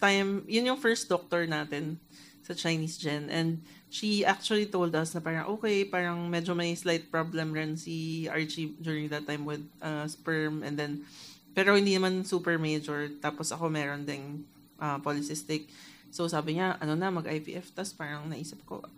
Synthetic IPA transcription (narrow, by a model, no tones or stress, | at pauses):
t̪ajmjʊnjʊŋfɛɹst̪̚d̪ok̚t̪oɹnaːt̪ɛn | sɐt͡ʃɐjniːsd͡ʒɛnʔɛ̃nd̪̚ | ʃiʔak̚t͡ʃʊɐlit̪owld̪ɐsnɐpaːɾɐŋʔoːkɛjpaːɾɐŋmɛːd͡ʒomɐjslajt̪̚pɹoblɛmɾɪnsiaɹt͡ʃid͡ʒ̪uːɹɪŋd̪ɐt̪ːajmwɪd̪̚ʔɐspɛɹmʔɛ̰nd̪ɛnpɛːɾo̞hɪ̃nd̪inɐmansuːpɛɹmejd͡ʒoɹt̪aːposɐ̰ko̞mɛːɾond̪ɛn | ʔɐpolɪsɪst̪ɪk̚ | sosaːbɪŋaʔɐno̞nɐmɐɡʔajpḭːʔɛft̪ɐspaːɾɐŋnɐʔiːsɪp̚ko̰ʔ